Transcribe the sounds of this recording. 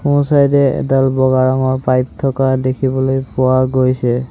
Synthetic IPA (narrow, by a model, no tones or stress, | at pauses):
usajdɛɛ̰dalbɔɡaɹɔŋɔɹpajp̚tʰɔkadekʰibɔlojpʊaɡojsɛ